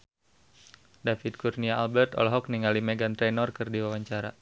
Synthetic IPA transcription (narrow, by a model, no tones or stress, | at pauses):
dafit̪̚kurniaalbɛrt̪ɔ̰lɦɔk̚niŋalimɛɡant̪ɾɛnɔrkɨrdiwawaɲt͡ʃaɾa